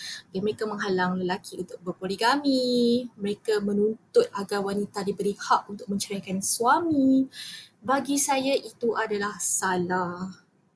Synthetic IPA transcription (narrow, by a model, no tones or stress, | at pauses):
daməɾekamə̃ŋɦalaŋləlakiunt̪ʊk̚bərpoliɡamiməɾekamə̃nunt̪ʊt̪̚aɡawanit̪adibəɾihaʔunt̪ʊk̚mə̃ɲt͡ʃaɾakansuami | baɡisajaʔit̪uʔadalahsala